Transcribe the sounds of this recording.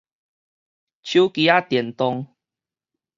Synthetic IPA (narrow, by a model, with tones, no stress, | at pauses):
t͡ɕʰju˦ki˨a˦t̪jɛ˨˩nt̪ɔ˧ŋ